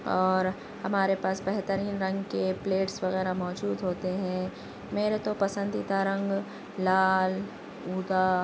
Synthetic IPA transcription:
ɔːɾ | hɐmaːɾepaːsbɛɦt̪əɾiːnɾɐ̃ŋɡkepleːʈsʋɐɣɛːɾamɔːd͡ʒuːd̪ɦoːt̪eɦɛ̃ | meːɾet̪opɐsə̃nd̪it̪aɾɐ̃ŋɡ | laːl | uːd̪a

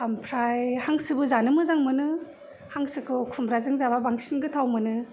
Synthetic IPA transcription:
ampʰɾajhaŋsɯbɯzanɯmɯzaŋmɯnɯ | haŋsɯkʰɯwkʰumɾazɯŋzababaŋsinɡɯtʰawmɯnɯ

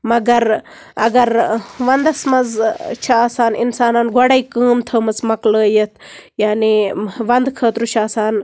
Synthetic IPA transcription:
mɐɡɐɾ | ɐɡɐɾʋɐnd̪ɐsmɐzt͡ʃʰaaːsaːnḭnsaːnaːnɡoɽɐikəːmt̪ʰəːmɐzmɐkləːjɐt̪ʰjaːniʋɐnd̪kʰəːt̪ɾut͡ʃʰaːsaːn

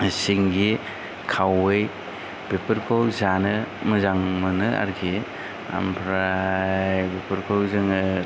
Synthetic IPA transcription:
siŋɡi | kʰawɯj | b̥epʰɯɾkʰowzanɯmɯzaŋmɯnɯa̰ɾɡi | a̰mpʰɾajbepʰɯɾkʰowzɯŋɯ

